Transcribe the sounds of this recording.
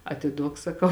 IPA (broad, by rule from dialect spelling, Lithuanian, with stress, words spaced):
ɐtʲɪˈduɔk sɐˈkɐʊ